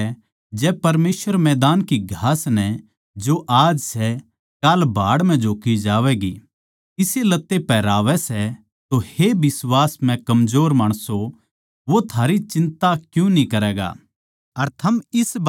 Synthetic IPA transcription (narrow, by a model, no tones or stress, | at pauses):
d͡ʒɛːpɐɾmeːsʋəɾmɛːd̪aːnkiɡʱaːsnɛ | d͡ʒoʔaːd͡ʒsɛ | kaːlbʱaːɽm̤ɛ̃d͡ʒoːkid͡ʒaːʋɛːɡi | ɪselɐt̪ːepɛːɾaːʋɛsɛ | t̪ohebɪswaːsmɛ̃kɐmzoːɾmaːɽ̃so | ʋot̪ʰaːɾit͡ʃɪ̃nt̪akjũnĩkɐɾɛːɡa̰ː | ɐɾt̪ʰɐmɪs